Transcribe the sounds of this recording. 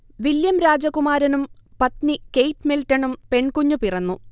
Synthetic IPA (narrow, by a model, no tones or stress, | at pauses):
ʋiljɐmɾaːd͡ʑɐɣkumaːɾɐnumpɐt̪nikejtːmiltːɐnumpe̞ɳkuɲːupirɐnːu